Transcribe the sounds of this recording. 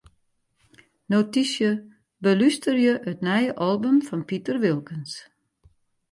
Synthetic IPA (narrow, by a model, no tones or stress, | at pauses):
notisjə | bəlystərjəʔətnɛjəʔɔlˠbymfɔnpitərʋilˠkəns